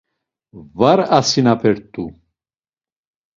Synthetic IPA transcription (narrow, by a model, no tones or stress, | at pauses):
vaɾasinapʰɛɾt̪ʼu